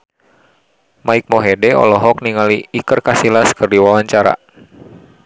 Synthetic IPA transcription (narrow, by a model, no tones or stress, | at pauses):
maik̚mɔɦedɛɔ̰lɔɦɔk̚niŋaliːkɨrkasilaskɨrdiwawaɲt͡ʃaɾa̰